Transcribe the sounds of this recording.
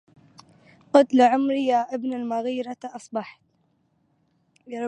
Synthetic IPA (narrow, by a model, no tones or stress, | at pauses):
qɑt̪laʕʊmɾjaːʔɪbnalmaɣiːɾɑʔɑsˤbɑħt̪